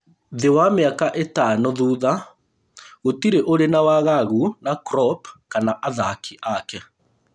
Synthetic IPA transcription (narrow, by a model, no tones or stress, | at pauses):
ðewameakaʔetanoðuða | ɣotiɾeʔoɾenawaɣaɣunakɾɔpkanaʔaðakiʔakɛ